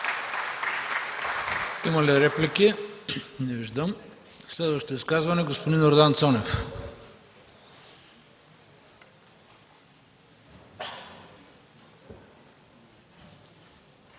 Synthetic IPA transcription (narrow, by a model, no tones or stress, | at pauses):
imɐliɾɛpliki | nɛviʒd̪əm | slɛd̪vɐʃt̪oiskazvɐnɛɡospod̪inoɾd̪ant̪sɔnɛf